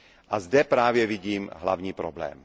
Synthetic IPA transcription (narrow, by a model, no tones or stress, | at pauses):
ʔazdɛpɾaːvjɛviɟiːmɦla̰vɲiːpɾoblɛ̰ːm